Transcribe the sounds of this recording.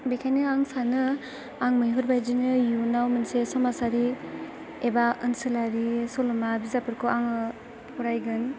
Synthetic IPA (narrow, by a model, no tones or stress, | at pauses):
bikʰajnɯaŋsanɯ | aŋmɯjɦuɾbajzinɯjunawmɯnsesɔmasaɾi | ebaɯnsɯlaɾisɔlɔmabizapʰɯɾkʰoaŋɯ | pɔɾajɡɯn